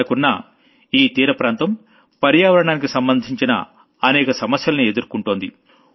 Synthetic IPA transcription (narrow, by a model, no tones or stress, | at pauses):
ɐkunːɐ | iːt̪iːɾɐpɾaːnt̪ɐm | pɐɾjaːʋɐɾɐɳaːnikisɐmbɐnd̪ʱiɲt͡ʃinɐ̰ | ɐnɛːkɐsɐmɐsjɐlɐnie̞d̪uɾkuɳʈoːnd̪ḭ